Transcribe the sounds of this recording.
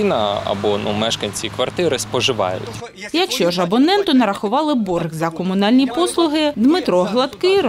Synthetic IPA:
nɐɐ̰bɔnumɛʃkɐnʲt͡sʲikʋɐrt̪ɪɾɪspɔʒɪʋɑ̰jʊ̰tʲ | jɐkʃt͡ʃɔʒɐbɔnɛnt̪ʊnɐɾɐxʊʋɑlˠɪburɣzɐkɔmʊnɑlʲnʲipɔslˠʊɦɪd̪mɪt̪ɾɔɦlˠɐt̪kɪ

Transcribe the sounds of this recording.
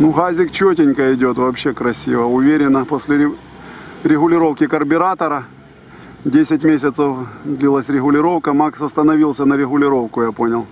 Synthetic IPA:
nuɣazʲɪkt͡ɕotʲɪnʲkəɪdʲo̞t̪vɐːpɕːekɾɐsʲivəʊvʲeɾʲɪnːəposʲlʲɪɪ | ɾʲɪɣʊlʲɪɾo̞fkʲɪkɐrbʲɪɾat̪ɐɾɐ | dʲesʲɪt̚ʲmʲesʲɪt̪səfd̪lʲilˠəsʲɾʲɪɦɣʊlʲɪɾo̞fkəmaksɐst̪ɐnɐvʲilˠsʲɐnəɾʲɪɣʊlʲɪɾo̞fkʊjapo̞nʲɪlˠ

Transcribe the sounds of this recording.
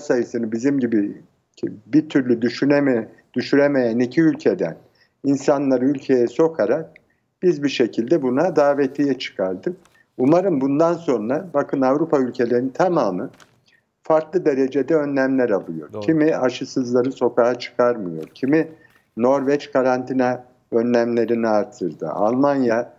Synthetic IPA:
sajɯsɯnɯbizimɟibi | bit̪ʰyɾlʲyd̪yʃyn | d̪̥yʃyɾeme̞jænicʰiylʲcʰe̞d̪æ̰n | insanlˠaɾɯylʲcʰe̞jɛso̞kʰaɾak̚ | b̥izbiʃe̞cʰilʲd̪ɛbunad̪aːvet̪ʰijɛt͡ʃʰɯ̥kʰaɾd̪ɯm | umaɾɯmbund̪anso̞nɾabakʰɯnavɾupʰaylʲcʰe̞lʲeɾinit̪ʰamaːmɯn | faɾklˠɯd̪e̞ɾe̞d͡ʒe̞d̪ɛø̞nlʲæmlʲæɾalˠɯjo̞̰ɾ̥cʰimiaʃɯsɯzlˠaɾɯso̞kaɦat͡ʃʰɯ̥kʰaɾmɯjo̞̰ɾcʰimi | no̞ɾvɛt͡ʃkʰaɾant̪ʰinɛ | ø̞nːʲæmlʲe̞ɾiniaɾt̪ʰːɯɾd̪ɯ̰ʔa̰lˠmanja

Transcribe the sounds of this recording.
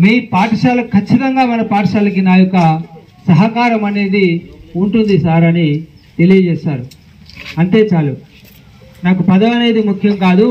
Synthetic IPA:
miːpaːʈɐʂaːlɐkʰːɐt͡ʃːit̪ɐŋɡaːunːɐpaːʈɐʂaːlɐk̬inaːjɔkɐ | sɐɦɐkaːɾɐmɐne̞ːd̪iuɳʈund̪isaːɾɐni | t̪e̞lijɐd͡ʒɛːʃaːɾu | ɐɳʈe̞ːt͡ʃaːlu | naːkupɐd̪ɐʋɐnɐjd̪imukʰjɐmkaːd̪u

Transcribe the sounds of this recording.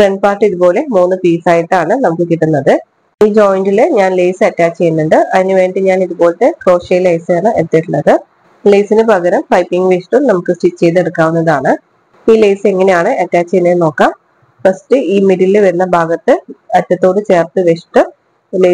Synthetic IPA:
freɳɖ̚paːrʈːiðubo̞ːle̞muːnːɨpiːsaːjɐt̪ːaːɳɨnɐmukːɨkiʈːunːɐðɨ | iːd͡ʑo̞ːjɳdilɨɲaːnlejsɨɐtːaːt͡ɕːt͡ɕe̞jːunːuɳɖɨʔɐðineʋe̞ːɳɖɨɲaːniðubo̞ːlt̪ːekro̞ːʂɐjlɐjsɨaːɳɨet̪ːiʈːuɳːɐðɨ | lejsinɨbʱɐɣɐɾɐmpɐjpːiŋɡʋeʂʈumnɐmukːɨsʈit͡ɕe̞jt̪ːeɽukːaːʋunːɐðaːɳɨ | iːlejsɨe̞ŋːɐne̞jaːɳɨʔɐtːaːt͡ɕːejnːeno̞ːkːaːm | fɐsʈɨiːmiɾililʋɐɾunːɐbʱaːɡɐt̪ːɨɐtːɐt̪ːo̞ːɽɨt͡ɕe̞ːrt̪ɨʋeʂʈɨ | le

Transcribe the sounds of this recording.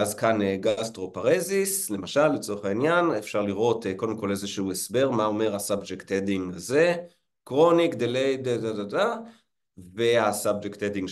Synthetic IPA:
azkaneɡastʁo̞paʁezisle̞maʃalːet͡so̞eχainjanefʃaʁliʁo̞teko̞ldemko̞le̞zeʃuhuesbe̞ʁmao̞me̞ʁasabd͡ʒektediŋɡaze̞ | kʁo̞nikd̪elejdadadada | ve̞asabd͡ʒektediŋ

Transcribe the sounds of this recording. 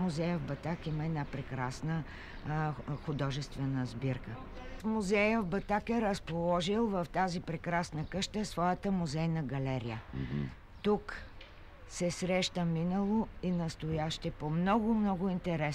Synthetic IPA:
mʊzɛjəvbɐt̪akiməɛd̪napɾɛkɾasnə | xʊd̪ɔʒɛst̪vɛnəzbiɾkə | fmʊzɛjəvbɐt̪akɛɾəspolˠɔʒilˠvɐft̪azipɾɛkɾasnəkɤʃt̪əsvɔjət̪əmʊzɛjnɐɡɐlɛɾḭjə | t̪uk | sɛsɾɛʃt̪əminəlˠoinɐst̪ojaʃt̪ɛpomnɔɡʊmnɔɡʊint̪ɛɾɛ

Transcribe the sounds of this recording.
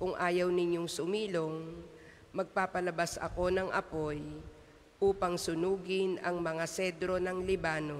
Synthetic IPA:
kʊŋʔaːjɐwnɪɲjoŋsʊmiːlo̞ŋ | mɐɡ̚paːpɐlɐbasɐ̰ko̞nɐŋʔɐ̰po̞j | ʔuːpɐŋsʊnuːɡɪnɐŋmɐŋasɛd̪ɾo̞nɐŋlɪbaːno̞

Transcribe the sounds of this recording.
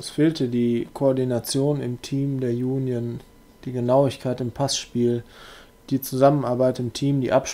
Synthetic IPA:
sfeːltədiːkʰoɔɐdinat͡sjoːnɪ̰mtʰiːmdeːɐjuːnjən | d̥iːɡənaʊɪçkʰaɪtɪmpʰasʃpiːl | d̥iːt͡suzamənaɐbaɪtɪmtʰiːmdḭːʔapʃ

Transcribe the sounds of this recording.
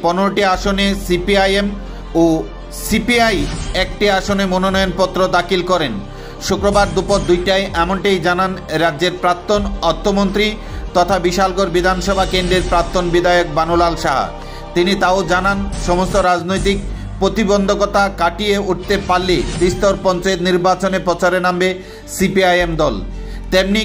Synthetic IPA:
pɔneɾoʈiaʃonesipiajem | o | sipiajɛkʈiaʃonemononɔjonpɔt̪ːɾod̪akilkɔɾen | ʃukɾobaɾd̪upoɾd̪ujʈaeʔɛmoɳʈajd͡ʑananɾadːd͡ʑeɾpɾapt̪ːonɔɾt̪ʰːomont̪ɾi | t̪ɔt̪ʰabiʃalɡoɾbid̪ʱanʃɔbʱakend̪ɾeɾpɾap̚t̪ːonbid̪ʱaeok̚banolalʃaɦa̰ | t̪init̪aod͡ʑananʃɔmost̪oɾad͡ʑnojt̪ik̚ | pɾot̪ibond̪ʱokɔt̪ʰakaʈijeuʈ̚t̪epalːet̪ɾist̪oɾpɔnt͡ɕaet̪niɾbat͡ɕonepɾɔt͡ɕaɾenambe | sipiajemd̪ɔlt̪emni

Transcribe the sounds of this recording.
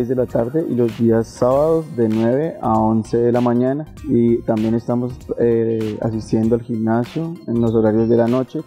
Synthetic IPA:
zd̪e̞lat̪aɾðe̞ʔilo̞zd̪iasːaβaðo̞zd̪e̞nwe̞βe̞ʔao̞nse̞ðe̞lamãɲana | it̪ambje̞ne̞st̪amo̞sea̰s̬ist̪je̞nd̪oalximnasjo̞enlo̞s̬o̞ɾaɾjo̞zd̪e̞lano̞t͡ʃe̞

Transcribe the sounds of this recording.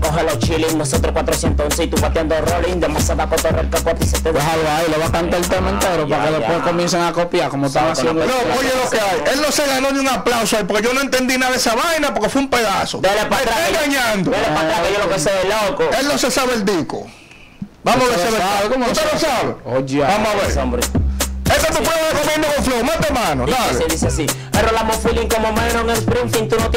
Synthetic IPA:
koɦelot͡ʃilisnesot̪ɾokwat̪ɾosjent̪osonsit̪upat̪jand̪orolind̪emasaðakot̪orḛlkepwat̪iset̪eðeɦajoailoβakant̪aelt̪emaent̪eɾoaɾakeðepweskomjenseŋakopjaɾkomoet̪aaasjend̪onoojelokeaje̞lnoseɣano̞ðjuŋaplawsoaipoɾkeʝo̞noent̪e̞nd̪inaðaesaβajnapoɾkefweumpeðasod̪elepaeɾaaeŋɡaɲãnd̪oelepaɾaejolokeseelokoelnosesaβeld̪iko̰ | bamoeseβeaβekomout̪enosaβḛod͡ʒiabamoaβeɾsombɾiet̪at̪upweðekomjẽnd̪okoɱflomat̪emãnod̪aβeeðiseasi | erolamõfiliŋkomomenoŋelspɾint̪ĩnt̪unot̪

